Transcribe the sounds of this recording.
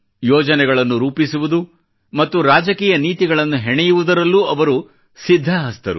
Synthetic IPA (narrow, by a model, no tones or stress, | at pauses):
jɔːd͡ʒɐnɛɡɐɭɐnːuɾuːpisuʋud̪u | mɐt̪ːuɾaːd͡ʒɐkiːjɐniːt̪iɡɐɭɐnːuɦɛɳɛjuʋud̪ɐɾɐlːuːɐʋɐɾu | sid̪ʱːɐɦɐst̪ɐɾṵ